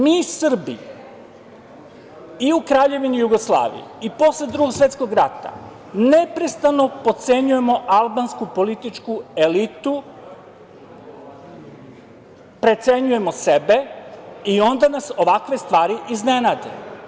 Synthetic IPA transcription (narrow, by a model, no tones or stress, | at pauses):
miːsr̩bi | iukɾaːʎe̞ʋinijuɡo̞slˠa̰ːʋḭjiipo̞sled̪ɾuɡoɡsʋe̞t̪sko̞ɡɾat̪a̰ | ne̞pɾest̪ano̞po̞t̪se̞ɲuje̞mo̞ʔalˠbanskupo̞lit̪it͡ʃkue̞lit̪u | pɾe̞t̪se̞ɲuje̞mo̞se̞be̞io̞nd̪anaso̞ʋakʋe̞st̪ʋaːɾiʔizne̞naːd̪ḛ